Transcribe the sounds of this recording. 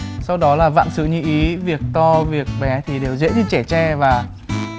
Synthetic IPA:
sa˧wɗɔ˨˦laː˨˩va̰ː˧˨msɨ̰˧˨ɲɨ̰˧˨ʔi˨˦vi˨˩ək̚t̪ɔ˧vi˨˩ək̚ɓɛ˨˦t̪ʰi˨˩ɗe˨˩wzḛ˧˥ɗi˧t͡ɕɛ˧˩t͡ɕɛ˧˩vaː˨˩

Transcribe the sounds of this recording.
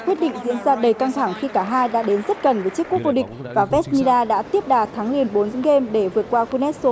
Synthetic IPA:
kwi˦˥t̚ɗḭ˧˨ŋ̟zḭ˧˥ənzaː˧ɗə˨˩jka˧ŋt̪ʰa˧˩ŋxi˧kaː˧˩ɦaː˧jɗa̰ː˧˥ɗe˨˦nzə˦˥t̚kə˨˩nvəː˨˦jt͡ɕi˦˥əkːu˦˥ək̚vo˧ɗï˨˩k̟̚vaː˨˩vɛ˦˥sni˧laː˧ɗa̰ː˧˥t̪i˦˥əp̚ɗaː˨˩t̪ʰaː˨˦ŋli˨˩ənɓo˨˦n˧˦ŋɣe˧mɗe˧˩vɨ˨˩ət̚kwaː˧ku˧nɛ˦˥t̚so˨˦

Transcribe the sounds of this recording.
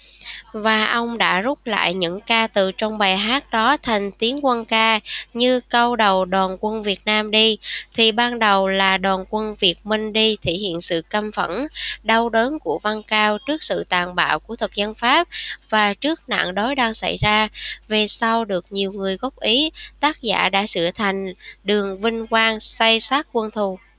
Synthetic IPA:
vaː˨˩ʔə˧wŋ͡mɗa̰ː˧˥zʊ˦˥k͡p̚la̰ː˧˨jɲɨ̰˧˥ŋkaː˧t̪ɨ˨˩t͡ɕɔ˧wŋ͡mɓaː˨˩jɦaː˦˥t̚ɗɔ˨˦t̪ʰa˨˩jŋ̟t̪i˨˦ənkwə˧nkaː˧ɲɨ˧kə˧wɗə˨˩wɗwaː˨˩nkwə˧nvi˨˩ət̚naː˧mɗi˧t̪ʰi˨˩ɓaː˧nɗə˨˩wlaː˨˩ɗwaː˨˩nkwə˧nvi˨˩ət̚mï˧ŋ̟ɗi˧t̪ʰḭ˧˩hḭ˧˨ənsɨ̰˧˨kə˧mfə̰˧˩nɗa˧wɗəː˨˦nku˧˩əva˧nkaː˧wt͡ɕɨ˦˥ək̚sɨ̰˧˨t̪aː˨˩nɓa̰ː˧˩˨wku˧˩ət̪ʰɨ˨˩k̚zə˧nfaː˦˥p̚vaː˨˩t͡ɕɨ˦˥ək̚na̰˧˨ŋɗo˨˦jɗaː˧ŋsa̰˧˩jzaː˧ve˨˩sa˧wɗɨ˨˩ək̚ɲi˨˩əwŋɨ˨˩əjɣɔ˦˥p̚ʔi˨˦t̪aː˦˥t̚za̰ː˧˩˨ɗa̰ː˧˥sɨ̰˧˩ət̪ʰa˨˩jŋ̟ɗɨ˨˩əŋvï˧ŋ̟kwaː˧ŋsa˧jsaː˦˥t̚kwə˧nt̪ʰu˨˩

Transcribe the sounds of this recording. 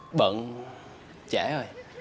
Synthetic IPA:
ɓə̰˧˨n | t͡ɕɛ˧˩˦o˨˩j

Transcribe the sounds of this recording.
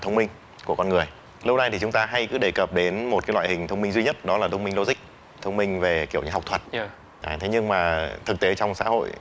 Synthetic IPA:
t̪ʰə˧wŋ͡mmï˧ŋ̟ | ku˧˩əkɔ˧nŋɨ˨˩əj | lk͡p̚na˧jt̪ʰi˨˩t͡ɕʊ˨˦ŋ͡mt̪aː˧ɦa˧jkɨ̰˨˦ɗe˧˩kə˨˩p̚ɗe˨˦nmo˨˩t̚ka˨˦jlwa̰˧˨hï˨˩ŋ̟t̪ʰə˧wŋ͡mmi˧ŋzwi˧ɲə˦˥t̚ɗɔ˨˦laː˨˩ə˧wŋ͡mmï˧ŋ̟lo˧zï˦˥k̟̚ | t̪ʰə˧wŋ͡mmï˧ŋ̟ve˨˩ki˧˩əwɲa̰˧˩ɦk͡p̚t̪ʰwə˨˩t̚ | ʔt̪ʰe˨˦ɲɨ˧ŋmaː˨˩t̪ʰɨ˨˩k̚t̪e˨˦t͡ɕɔ˧wŋ͡msa̰ː˧˥ho̰˧˨j

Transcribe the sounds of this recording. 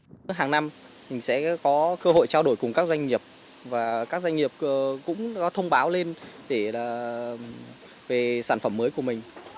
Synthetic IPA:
ɦaː˨˩ŋna˧m | mʰi˨˩ŋ̟sɛ̰˧˥kɔ˨˦kəː˧ɦo̰˧˨jt͡ɕaː˧ɗo˧˩jkʊ˨˩ŋ͡mkaː˦˥k̚zwa˧jŋ̟ŋi˨˩əp̚ | vaː˨˩kaː˦˥k̚za˧jŋ̟ŋi˨˩əp̚ːkʊ̰˧˥ŋ͡mkɔ˨˦t̪ʰə˧wŋ͡mɓaː˨˦wle˧nɗe˧˩laː˨˩ | ve˨˩saː˧˩nfə˧˩mːəː˨˦jku˧˩əmï˨˩ŋ̟

